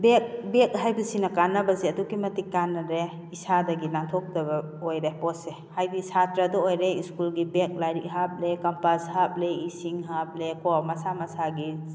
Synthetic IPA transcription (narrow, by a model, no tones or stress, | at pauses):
bek̚bek̚ɦajbisinakanːabasiadukimɐtikːanːaɾe | isadaɡinaŋtʰɔk̚tabaojɾepɔse | hajdisʰatɾadɔojɾeiskulɡibek̚lajɾikɦap̚lekampashap̚leisiŋɦap̚lekɔmasamasaɡi